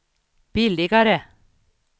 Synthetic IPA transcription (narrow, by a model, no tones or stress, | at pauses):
b̥ɪlɪɡɑɾə